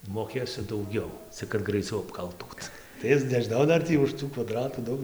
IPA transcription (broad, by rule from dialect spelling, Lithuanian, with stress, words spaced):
moːˈkʲeːsʲʊ dɐʊˈɡʲɛʊ t͡sʲɪk kɐt ɡrɐɪˈt͡sʲɛʊ ɐpˈkɐlˠtuːt tɐɪ ˈɪs nʲɛʒʲɪˈnɐʊ ˈdɐr tʲiː ʊʃ ˈtuː kʋɐˈdrɑːtuː ˈdɐʊk